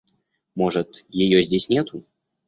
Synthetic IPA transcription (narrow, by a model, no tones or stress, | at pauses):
moʐɨt̪jɪjozʲdʲesʲnʲet̪ʊ